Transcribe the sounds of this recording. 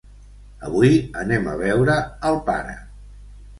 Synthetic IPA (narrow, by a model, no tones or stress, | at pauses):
əβujənɛmə̰β̞ɛwɾəːlˠpa̰ɾə̰